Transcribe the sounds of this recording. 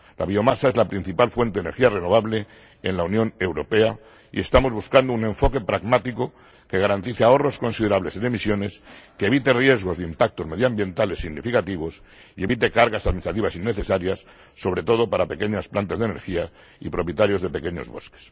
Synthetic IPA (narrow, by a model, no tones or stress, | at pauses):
la̰βio̞masae̞zlapɾin̟θipalfwe̞nt̪eeneɾxiare̞no̞β̞aβle | enlaunjõ̞ne̞wɾo̞pe̞a | ḭe̞st̪amo̞zβuskand̪oune̞ɱfo̞ke̞pɾaɣmat̪iko̞ | ke̞ɣaɾant̪iθeaoro̞sko̞nsið̞e̞ɾaβle̞sene̞misjo̞ne̞skeβit̪erje̞zɣo̞zðimpak̚t̪o̞zme̞ðjambje̞nt̪ale̞sːiɣnifikat̪iβ̞o̞s | ie̞βit̪e̞kaɾɣasaðminist̪ɾat̪iβasinːe̞θe̞saɾjasː | o̞β̞ɾe̞t̪o̞ð̞o̞paɾape̞ke̞ɲasplant̪azðene̞̰ɾxia | ḭpɾo̞pje̞t̪aɾjo̞zðe̞pe̞ke̞ɲo̞zβo̞̰ske̥s